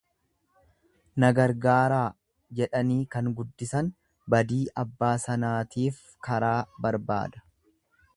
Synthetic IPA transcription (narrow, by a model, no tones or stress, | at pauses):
nɐɡɐɾɡaːɾaː | d͡ʒɛᶑɐniːkɐŋɡʊd̪ːɪsɐn | bɐd̪iːʔɐbːaːsɐnaːt̪iːf | kɐɾaːbɐɾba̰ːd̪ɐ̥